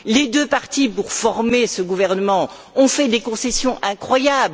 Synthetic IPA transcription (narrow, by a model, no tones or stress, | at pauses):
led̪øpaʁt̪ipuʁfɔʁmesəɡuvɛʁnəmɑ̃ | ɔ̃fɛd̪ekɔ̃sɛsjɔ̃ʔɛ̃kχwajabl